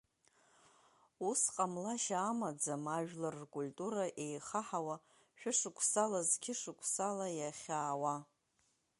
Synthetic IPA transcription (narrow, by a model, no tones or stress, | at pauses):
usqʼamlaʃaːmad͡zamaʒᶣlarkʼulʲtʼuɾaʔe̞jχaħawa | ʃᶣʊʂɨkʷʰʼsalazkʲʰɪʂɨkʷʰsalajaχʲaːwa